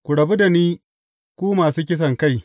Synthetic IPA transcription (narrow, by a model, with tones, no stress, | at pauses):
kʷu˨ɽɐ˨bu˦da˨niː˦ | kʷuː˦maː˨suː˦kʲɪ˦s̬ɐ˨ŋka˦˨j